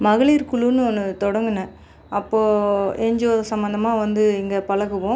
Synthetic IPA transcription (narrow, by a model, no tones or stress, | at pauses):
mɐɣɐɭiɾkʊɭunɯɔnːɯt̪ɔɽɐŋɡɯnɐ | ʔɐpːoːɛɲd͡ʒoːsɐmbɐnd̪ɐmaːʋɐnd̪ɯɪŋɡɐpɐɭɐɣɯʋõː